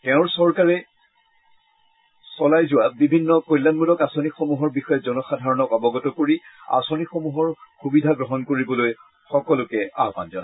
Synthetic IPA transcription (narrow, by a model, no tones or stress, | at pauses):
tɛʊ̃ɹsɔɹkaɹɛ | sɔlajzʊwabibʱinːɔkojlːanmulɔkasonixomuɦɔɹbixɔjazɔnɔxadʱaɹɔnɔkɔbɔɡɔtɔkoɹia̰sonixomuɦɔɹxubidʱaɡɹɔɦɔnkoɹibɔloj | xɔkɔlʊkɛa̰ɦpa̰nzɔn